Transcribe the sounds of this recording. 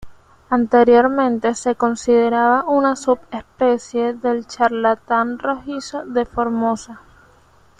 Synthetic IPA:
ant̪e̞ɾjo̞ɾmẽ̞nt̪e̞se̞ko̞nsiðe̞ɾaβaʔunasube̞spe̞sje̞ðe̞lt͡ʃaɾlat̪anro̞xiso̞ðe̞fo̞ɾmo̞sa

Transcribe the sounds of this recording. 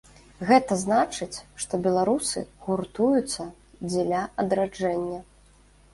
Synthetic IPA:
ɣɛt̪ɐznat͡ʂɨt͡sʲʂt̪ɔbʲɛlˠaɾusɨ̰ɣurt̪ujut̪sːɐ | d͡zʲɛlʲaʔɐd̪ɾad͡ʐɛnʲːɐ

